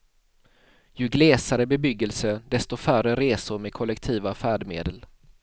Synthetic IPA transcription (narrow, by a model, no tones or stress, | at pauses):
jɵɡleːsaɾəbɛbʏɡːəlsəd̪ɛst̪ʊfœrəɾeːsʊɾmɛd̪̚kʰɔlːɛkt̪ʰiːvafæːɖmḛːd̪əl